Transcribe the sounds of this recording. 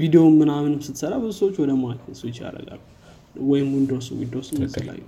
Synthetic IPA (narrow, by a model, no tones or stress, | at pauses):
vid̪eomːɨnamɨnɨmsɨt̪səɾabɨzusəwot͡ʃːwɔd̪əmakʰəswot͡ʃːja̰ɾə̰ɡa̰lːu | wɔjɪmːund̪osṵwḭnd̪osnzɨlːa̰jːɛ